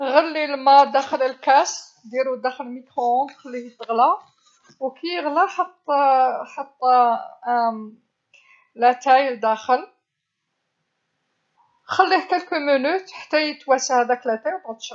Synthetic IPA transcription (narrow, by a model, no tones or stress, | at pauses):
ɣəlːilmæd̪æxələlkæs | d̪jæɾuwd̪æxəlmikʁõxəlːihət̪ːəɣlæ | wkijəɣlæħət̪ˤːħət̪ˤː | læt̪æjd̪æxəl | xælːihkəlkumənut̪ħḁt̪ːæjət̪wæsahæd̪æklæt̪æjwt̪ɑt̪ˤʃ